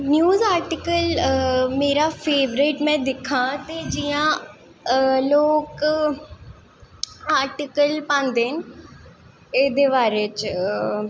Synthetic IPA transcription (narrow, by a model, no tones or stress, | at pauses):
njuːzaːɾʈɪkəlmeːɾafeːʋɾeːʈmɛ̃ːd̪ɪkʰãt̪ed͡ʒiːã | loːk | aːɾʈɪkəlpãːnd̪eːnɪ̆ | eːd̪eːʋaːɾet͡ʃ